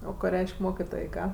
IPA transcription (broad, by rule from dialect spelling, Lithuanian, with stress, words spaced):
ˈoː koː ˈrʲɛɪʃʲkʲ ˈmoːkʲɪtoːj ˈkɑː